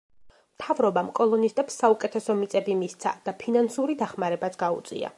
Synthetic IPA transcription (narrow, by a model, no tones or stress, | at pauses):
mt̪ʰavɾɔbamkʼɔlˠɔnist̪ʼɛpsːaukʼɛt̪ʰɛsɔmit̪sʼɛbimist̪sʰa̰d̪̥apʰinansuɾid̪aχmaɾɛbat̪sʰɡaṵt̪sʼḭa̰